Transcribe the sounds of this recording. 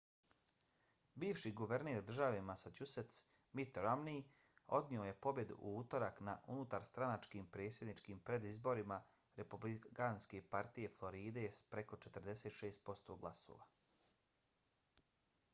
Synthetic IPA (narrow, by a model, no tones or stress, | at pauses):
biːʋʃiɡuʋe̞ɾneːɾd̪r̩ʒaʋe̞masat͡ʃuset̪s | mit̪ɾamni | o̞̰d̪nio̞je̞po̞bje̞d̪ṵʔuuːt̪o̞ɾaknaʔunut̪aɾst̪ɾanat͡ʃkiːmpɾe̞ːt̪sje̞d̪nit͡ʃkiːmpɾe̞d̪izbo̞ɾima | ɾepublikanske̞paɾt̪ije̞flˠo̞ɾiːd̪e̞spɾeko̞t͡ʃet̪ər̩d̪e̞seːt̪ʃe̞ːst̪̚po̞st̪o̞ɡlˠaso̰ːʋa